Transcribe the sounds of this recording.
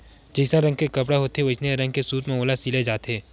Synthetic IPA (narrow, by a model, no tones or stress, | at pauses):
d͡ʒəɪsãɾɐ̃ŋɡkekɐp̬ɽaɦoːt̪eʋɐt͡ʃneeɾɐ̃ŋɡ̚kesuːt̪mẽoːlasiled͡ʒaːt̪eː